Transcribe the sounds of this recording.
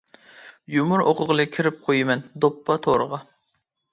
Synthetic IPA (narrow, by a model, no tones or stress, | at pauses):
jumʊɾoqʰʊʁəlˠɨkʲʰːiɾɪp̚qʰojɪmɛnd̪opːɑt̪ʰoɾəʁɑ